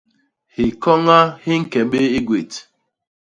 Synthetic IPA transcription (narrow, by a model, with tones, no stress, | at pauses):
hi˨kɔ˦ŋa˦hi˦ŋ̩˦kɛ˨ɓe˦i˦ɡwe˨t